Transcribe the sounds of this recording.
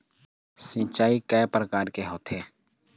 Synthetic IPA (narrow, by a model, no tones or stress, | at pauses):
sĩt͡ʃaːikɛːpɾəkaːɾkeɦoːt̪ɦeː